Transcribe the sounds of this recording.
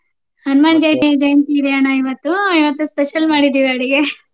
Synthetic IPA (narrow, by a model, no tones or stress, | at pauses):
hɐnmaːnd͡ʒɐjt̪id͡ʒɐjɐnt̪iɾijaːnɐiʋɐt̪ːuiʋɐt̪ːuspeʃɐlmaːɽid̪iːʋiɐɽiɡe